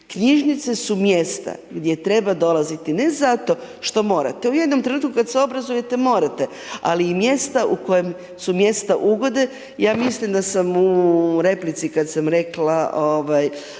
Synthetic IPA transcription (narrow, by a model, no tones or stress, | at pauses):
kɲiʒnit̪se̞sumje̞st̪a̰ɡd̪je̞t̪ɾe̞bad̪o̞lˠazit̪ine̞zat̪o̞ʃt̪o̞mo̞ːɾa̰t̪euje̞d̪nomt̪ɾe̞nuːt̪kukad̪seo̞bɾazuje̞t̪e̞mo̞ɾat̪e̞ | a̰liːmje̞st̪aʔuko̞jem | sumje̞st̪aʔuɡo̞d̪e | jaːmislimd̪asamuɾe̞plit̪sikad̪samɾe̞klaoʋaj